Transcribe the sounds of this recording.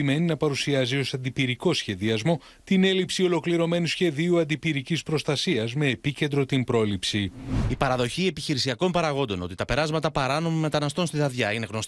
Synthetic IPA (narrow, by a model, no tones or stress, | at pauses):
ime̞ninɐpɐɾusiɐzio̞sɐnd̪ipiɾiko̞sçe̞ðiɐzmo̞ | t̪ine̞lipsio̞lo̞kliɾo̞me̞nusçe̞ðiuɐnd̪ipiɾicispɾo̞st̪ɐsiɐzme̞ːpice̞nd̪ɾo̞t̪impɾo̞lipsiipɐɾɐðo̞çie̞piçiɾisiɐko̞mpɐɾɐɣo̞nd̪o̞no̞t̪i̥t̪ɐpe̞ɾɐzmɐt̪ɐpɐɾɐno̞mime̞t̪ɐnɐst̪o̞nst̪iðɐðʝɐine̞ɣno̞s